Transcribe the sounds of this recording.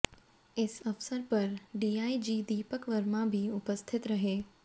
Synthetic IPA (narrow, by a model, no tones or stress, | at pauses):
ɪsɐʋsəɾpɐɾɖiːaːid͡ʒiːd̪iːpəkʋəɾmãbʱiʊpəst̪ʰɪt̪ɾɐɦeː